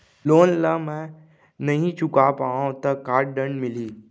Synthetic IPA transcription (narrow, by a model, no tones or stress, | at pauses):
loːnlamɛ̃ | nɐɦĩt͡ʃʊkapaːõt̪ɐkːaːɾɖɖə̃ɳɖmɪliː